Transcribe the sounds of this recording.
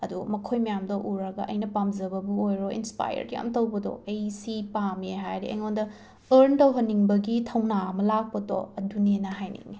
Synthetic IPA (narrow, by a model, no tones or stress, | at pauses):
ɐdumɐkʰojmɐjamdɐʔuɾɐɡɐ̰ʔɐjnɐpamzɐbɐbuojɾoḭnspa̰jɐ̰ɾja̰mtɐwbɐdɔ̰ejsipameɦajɾiʔɐ̰jŋondɐ | ɐɾntɐwɦɐnːiŋbɐɡitʰɐwnamɐlak̚pɐto̰ɐdunenɐɦajnḭŋi